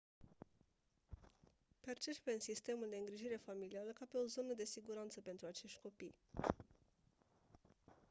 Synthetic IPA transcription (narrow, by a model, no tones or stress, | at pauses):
pert͡ʃespeɨnsist̪e̞muld̪eɨŋɡɾiʒiɾe̞familialəkape̞o̞zo̞nəd̪e̞siɡuɾant̪səpe̞nt̪ɾuat͡ʃe̞ʃt̪ʲko̞pij